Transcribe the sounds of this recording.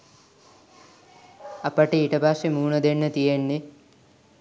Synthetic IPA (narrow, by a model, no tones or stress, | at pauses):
ɐpəʈiiʈəbʱaʂemuːɳəd̪enːət̪ijenːe